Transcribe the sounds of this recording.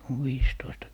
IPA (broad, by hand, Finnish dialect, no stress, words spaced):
on ʋiːstoistɑ